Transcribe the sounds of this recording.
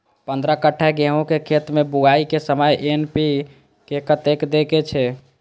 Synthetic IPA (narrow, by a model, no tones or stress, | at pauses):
pənd̪ɾəkəʈʰːaɡẽɦõkekʰet̪mebuɡaikesəməjʔenpi | kekət̪ekd̪eket͡ʃʰɛ